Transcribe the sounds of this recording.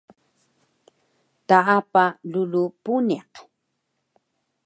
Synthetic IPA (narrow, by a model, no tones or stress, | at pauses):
t̪aapalulupunaq